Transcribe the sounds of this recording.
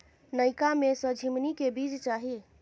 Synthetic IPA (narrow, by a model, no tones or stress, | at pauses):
nəjkamesə̃d͡ʒʱimnikebid͡ʒt͡ʃaɦi